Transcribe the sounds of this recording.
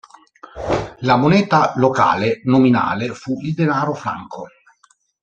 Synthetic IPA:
lamonɛːt̪aloka̰ːlenomina̰ːlefuild̪enaːɾofɾa̰ŋkʰo

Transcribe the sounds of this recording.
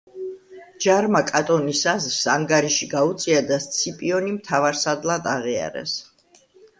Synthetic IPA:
d͡ʒaɾmakʼat̪ʼɔnisazɾsaŋɡaɾiʃiɡaut̪sʼiad̪ast̪sʰipʼiɔnimt̪ʰavaɾsad̪lˠad̪aʁia̰ɾɛ̰s

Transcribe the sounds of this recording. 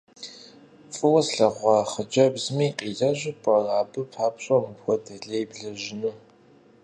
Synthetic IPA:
fʼɨwɐsɬɐʁʷɑːχəd͡ʒɐbzmiːqʼiːɮɐʒʷɪpʼɐraːbɨpʰaːpɕʼɐmɨpxʷɔdʰɐɮejbɮɐʒɪnɨ

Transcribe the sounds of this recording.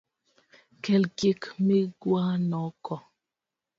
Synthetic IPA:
kɛlkikmeɡwanɔkɔ

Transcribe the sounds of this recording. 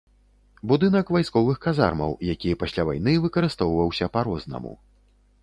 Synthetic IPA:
bud̪ɨnɐkvajskɔvɨxkaza̰rmɐ̰wjakʲijɐpasʲlʲava̰jn̪ɨvɨkɐɾɨst̪ɔwvɐwsʲɐpaɾɔznɐ̰mṵ

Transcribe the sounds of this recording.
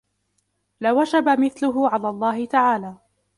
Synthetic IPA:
lawad͡ʒabamɪθlʊɦʊʕalaːlˤːɑːɦɪt̪aʕaːlaː

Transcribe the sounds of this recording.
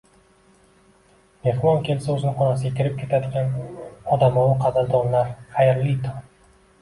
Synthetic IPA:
me̞hmɒnkʲʰe̞lsaɵzɪnɪχɒnas̬ɪɡʲakʲʰɪɾɪp̚kʲʰe̞t̪ʰad̪ɪɡʲanɒd̪amɒwɪqʰɑb̪ɪld̪ɒnlaɾχajɪɾlit̪ʰʊ

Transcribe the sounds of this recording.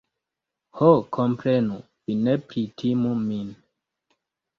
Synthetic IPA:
hokʰɔmpɾɛnu | pinɛpɾitʰimumin

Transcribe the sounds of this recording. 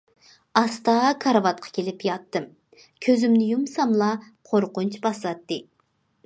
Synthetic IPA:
ɑst̪ɑkʰɑɾvɑt̪̚qʰɑ̥kʲʰelɪpjɑt̪ːɨm | kʲʰøzɪmnɪjumsɑmlˠɑ | qʰoɾqʊnt͡ʃbɑsˠɑt̪ːɨ

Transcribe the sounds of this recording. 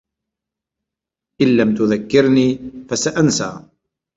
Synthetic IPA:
ʔɪlːamt̪ʊðakːɪɾniːfasaʔansa̰ː

